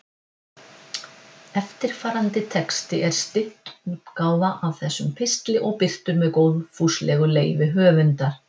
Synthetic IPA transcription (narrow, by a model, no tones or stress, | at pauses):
ɛft̪ɪɾ̥faːɾant̪ɪt̪ʰɛkst̪ɪʔɛɾ̥st̪ɪht̪ukaːwðaʔavθɛsːʏmpʰɪst̪lɪʔɔɣpɪr̥t̪ʏmːɛðkowðfuːslɛɣʏleːjvɪɦœːvʏnt̪aɾ̥